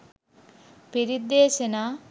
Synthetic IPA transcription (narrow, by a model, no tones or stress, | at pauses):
piɾid̪eːsenaː